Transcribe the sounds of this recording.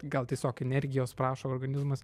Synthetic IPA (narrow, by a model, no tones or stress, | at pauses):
ɡɐlˠt̪ʲiɛsʲoːkɛnʲɛɾʲɡʲɪjoːspɾɑːʃoːrɡɐnʲɪzmɐs